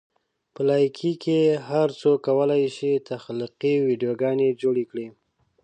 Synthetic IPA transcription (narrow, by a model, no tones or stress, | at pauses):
pəlɑjkʰikeɦaɾt͡sokawəlajʃit̪axliqiwiɖijoɡɑned͡ʒoɽikɽi